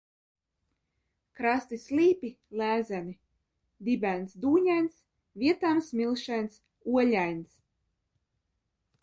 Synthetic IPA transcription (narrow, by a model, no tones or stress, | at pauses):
kɾast̪isʲlʲiːpʲi | læːzæni | d̪ibʲænsd̪uːɲajns | vʲiɛt̪amsmʲilˠʃɛjns | uɔʎʲajns